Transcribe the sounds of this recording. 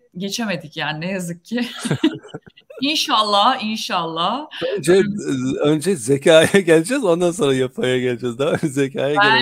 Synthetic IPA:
ɟe̞t͡ʃʰe̞me̞d̪icjaːninejazɯkʰːɪ | inʃalˠːahinʃalˠːahønd͡ʒɛønd͡ʒɛzecʰaːjɛɟɛlʲd͡ʒɛzo̞nd̪anso̞nɾajapʰajaɟɛlʲd͡ʒɛzd̪aønd͡ʒɛzecʰaːjɛe

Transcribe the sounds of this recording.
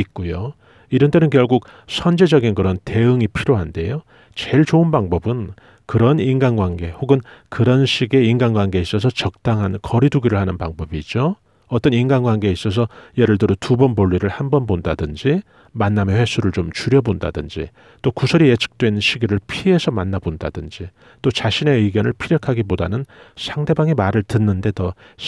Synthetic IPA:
it̚k͈ujo | iɾʌntʰe̞nɯnkjʌɭɡuk̚sʰʌnd͡ʑed͡ʑʌɡinkɯɾʌnte̞ɯŋipʰiɾjoɦande̞jo | t͡ɕeɭt͡ɕoɯnbaŋbʌbɯn | kɯɾʌninɡanɡwaŋɡe̞hoɡɯnkɯɾʌnɕʰiɡe̞inɡanɡwanɡe̞is͈ʌs̬ʰʌt͡ɕʌk̚t͈aŋɦankʌɾiduɡiɾɯɭhanɯnpaŋbʌbid͡ʑo | ʌt͈ʌninɡanɡwaŋɡeis͈ʌs̬ʰʌjeɾɯɭdɯɾotubʌnbʌʎːiɾɯɭhambʌnbonda̰dɯnd͡ʑi | manːamjeɸwe̞sʰuɾɯɭt͡ɕomt͡ɕuɾjʌbonda̰dɯnd͡ʑḭ | t͈okusʰʌɾije̞t͡ɕʰɯ̥k̚t͈we̞nɕʰiɡiɾɯɭpʰiɦe̞sʰʌmanːabonda̰dɯnd͡ʑi | t͈ot͡ɕaɕʰine̞ɯɡjʌnɯɭpʰiɾjʌkʰaɡibodanɯnsʰaŋde̞baŋemaɾɯɭtɯnːɯnde̞tʌ

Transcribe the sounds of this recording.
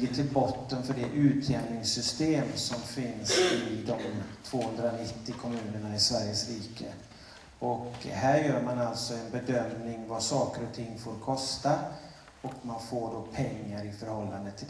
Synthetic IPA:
əʈʰɪlbɔt̪ːənfœɖɛʔʉ̟ːt̪ʰjɛnnɪŋsʏst̪eːmsɔmfɪnsɪd̪ɔmt̪ʰv̥oːhɵnd̪ɾanɪt̪ːɪkʰɔmʉ̟ːnəɳaɪsvæɾjəsɾiːkə̰ | ɔkhæɾjœːɾmanalt̪sɔɛnbɛd̪œmnɪŋvasɑːkəɾɔt̪ʰɪŋːfoːɾkʰɔst̪a | ɔkmanfoːɖopʰɛŋːaɾɪfœɾhɔlːand̪ət̪ʰːɪl

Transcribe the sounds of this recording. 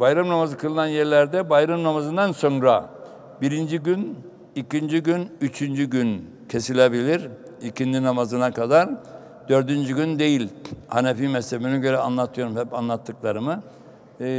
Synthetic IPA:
bajɾamnamazɯkʰɯlˠɯnanjɛɾlʲæɾd̪ɛbajɾamnamazɯnd̪anso̞nɾa | biɾind͡ʒiɟyn | icʰind͡ʒiɟynyt͡ʃʰynd͡ʒyɟyn | cʰe̞silʲebilʲiɾ | icʰind̪inamazɯnakʰad̪aɾ | d̪̥ø̞ɾd̪ynd͡ʒyɡynd̪e̞jilʲhanefiːmɛslebinɛɟø̞ɾɛanlˠat̪ʰɯjo̞ɾumhɛpanlˠat̪ʰːɯklˠaɾɯmɯ

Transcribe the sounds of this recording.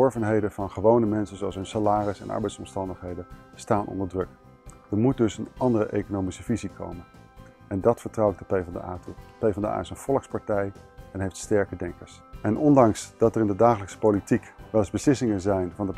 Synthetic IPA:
ɔɹvənɦejdəvɑnχəʋownəmɛnsənzowɑlˠsɦɵnsalaːrɪsɛ̰nʔɑ̰ɹbɛjtsɔmstɑndəχɦejdənstaːnʔɔ̰ndəɹdrɵk | d̥əɹmut̚dɵsənʔɑndərə̰ʔḛjkonowmisəv̥izikʰo̰wmən | ɛndɑtfəɹtrɑw̚dəpejvɑndə̰a̰ːtupejvɑndəa̰ːɪsənv̥ɔlˠkspɑɹtɛjɛnɦejftstɛɹkədɛŋkəɹs | ɛnʔɔndɑŋsd̥ɑtərɪndədaːχələksə̥powlitikʋɛlˠzbəslɪsɪŋənzɛjnvɑndə

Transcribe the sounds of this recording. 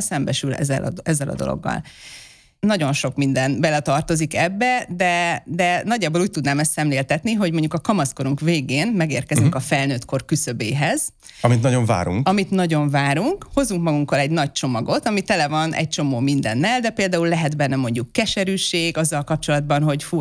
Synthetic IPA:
sɛmbɛʃylɛ̰zɛ̰l̰ɛzːɛlɒ̰d̪o̞̰lo̰ɡːɒ̰l | nɒɟo̞nʃo̞kmind̪ɛnbɛlɛt̪ɒrt̪o̞zikɛbːɛd̪ɛd̪ɛnɒɟːaːboːluːc̚t̪ud̪naːmɛst̪sɛmleːlt̪ɛt̪niɦo̞ɟmo̞ɲɟukɒkɒmɒsko̞ɾuŋkveːɡeːnmɛɡeːrkɛzyŋkɒfɛlnøːt̪ko̞rkysø̞beːɦɛz̥ | ɒmit̪nɒɟo̞ɱva̰ːɾṵŋkɒmit̪nɒɟo̞ɱvaːɾuŋkho̞zːuŋkmɒɡuŋkolɛɟnɒc̚t͡ʃo̞mɒɡo̞t̪ɒmit̪ɛlɛvɒnʔɛ̰c̚t͡ʃo̞moːmind̪ɛ̰nːɛld̪ɛpeːld̪aːullɛɦɛd̪bɛnːɛmo̞ɲɟukːɛʃɛɾyːʃeːɡɒzːɒlkɒp̚t͡ʃo̞lɒd̪bɒnɦo̞ɟfu

